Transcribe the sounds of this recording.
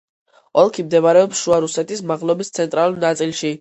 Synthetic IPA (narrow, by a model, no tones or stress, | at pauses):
ɔlˠkʰimd̪ɛvaɾɛɔpsʃuaɾusɛt̪ʰismaʁlˠɔbist̪sʰɛnt̪ʼɾalˠulnat̪sʼilˠʃi